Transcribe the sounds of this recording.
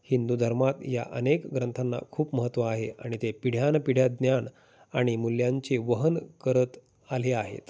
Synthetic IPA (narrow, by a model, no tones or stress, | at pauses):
hind̪ud̪ʱəɾmat̪ja̰ʔənekɡɾənt̪ʰanːa̰kʰuːpməɦət̪ːʋaːɦea̰ɽ̃it̪epiɽ̤janpiɽ̤jad̪njaɳ | aɽ̃imuljãɲt͡ɕeʋəɦənkəɾət̪ | aleaɦḛt̪